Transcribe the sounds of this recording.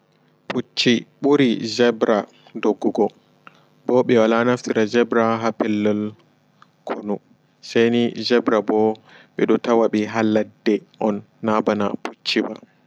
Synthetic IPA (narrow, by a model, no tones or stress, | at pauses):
put͡ʃːiɓuɾid͡ʒɛbɾʔa | doɡːuɡɔ | bɔɓɛwalanaftiɾad͡ʒɛbɾaɦapɛlːɔl | kʰonu | sajnid͡ʒɛbɾabɔɓɛɗɔtawaɓiɦalːadːɛʔɔnːabana̰pʰut͡ʃːiba̰